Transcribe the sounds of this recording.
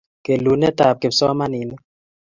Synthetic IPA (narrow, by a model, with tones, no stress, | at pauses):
ke˨lu˨nɛ˦ta˨p̚ke˨bsɔ˦a˦ma˦ni˨ni˦